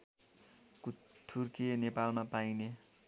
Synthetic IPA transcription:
kut̪ʰːurkenepalmapajne

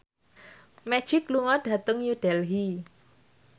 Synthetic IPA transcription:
mɛ̥ʒ̥ɪkluŋɔɖ̥a̤t̪əŋjuɖ̥ɛlɦi

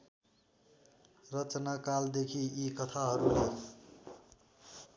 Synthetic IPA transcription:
rʌt͡ʃnakald̪ekʰiikʌt̪ʰaɦʌɾule

